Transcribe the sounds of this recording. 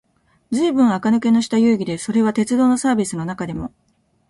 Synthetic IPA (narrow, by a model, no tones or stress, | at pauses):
zɨːbɯ̟̃ɰ̃akanɯ̟ke̞no̞ɕi̥t̪ajɯ̟ːɡʲid̪e̞so̞ɾe̞βat̪e̞t͡sɨd̪o̞ːno̞saːbʲisɨno̞nakad̪e̞mo̞